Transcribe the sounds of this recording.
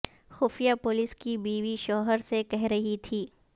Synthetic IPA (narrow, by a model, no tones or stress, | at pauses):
xʊfijapʊlɪskibiːʋiʃɔːɦəɾsekɛɦɾɐɦit̪ʰiː